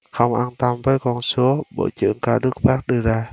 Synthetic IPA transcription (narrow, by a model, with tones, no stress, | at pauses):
xə˧wŋ͡mʔaː˧nt̪a˧mvəː˨˦jkɔ˧nsu˨˦əɓo̰˧˨˩t͡ɕɨ̰˧˩˨əŋkaː˧˩ɗɨ˦˥ək̚faː˦˥k̚ɗɨ˧əzaː˧